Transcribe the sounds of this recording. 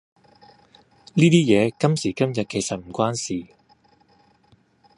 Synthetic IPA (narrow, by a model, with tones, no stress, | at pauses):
liː˥t̪iː˥jɛː˨˧kɐ˥msiː˨˩kɐ˥mjɐ˨t̚ke˨˩jsɐ˨t̚m̩˨˩kʷwaː˥nsiː˨˩